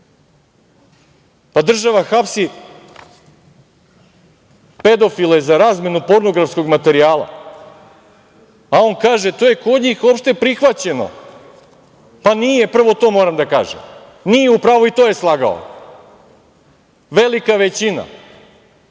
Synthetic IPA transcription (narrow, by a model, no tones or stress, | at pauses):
pad̪r̩ʒaʋaxapsi | pe̞d̪o̞filˠajezaɾaːzme̞nupo̞ɾno̞ɡɾafsko̞ɡmat̪e̞ɾiaːlˠa̰ | ao̞ːnkaːʒet̪ojekod̪ɲiːxo̞pʃt̪e̞pɾixʋat͡ɕe̞no̰ | panijepr̩ʋo̞t̪o̞ːmo̞ːɾamd̪aka̰ːʒḛm | nijeupɾaːʋoit̪o̞ːje̞slˠaɡa̰o̰ | ʋe̞likaʋet͡ɕina̰